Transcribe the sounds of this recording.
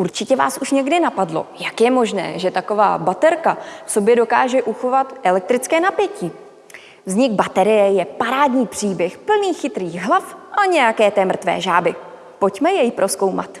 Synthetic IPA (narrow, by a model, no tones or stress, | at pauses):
ʔuɾt͡ʃɪcɛva̰ːsuʃɲɛɡdɪnapadlo̞̰jakjɛmo̞ʒnɛ̰ːʒɛt̪ako̞va̰ːbat̪ɛɾkafso̞bjɛdo̞kaːʒɛʔuxo̞vat̪ʔɛlɛk̚t̪ɾɪt͡skɛːnapjɛciː | vzɲɪɡbat̪ɛɾɪjɛjɛpaɾaːdɲiːpr̥iːbjɛxpl̩niːxɪt̪ɾiːɣɦlafʔaɲɛjakɛːt̪ɛmr̩t̪vɛ̰ːʒaːbɪ | po̞cmɛjɛjpɾʔo̞sko̞wma̰t̪